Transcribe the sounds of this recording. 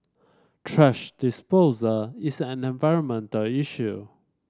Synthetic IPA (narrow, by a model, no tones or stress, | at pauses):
tʰɹɛʃd̥ɪspozəizæ̃nɛ̃nvaɪɹə̃nmɛ̃ntəliʃu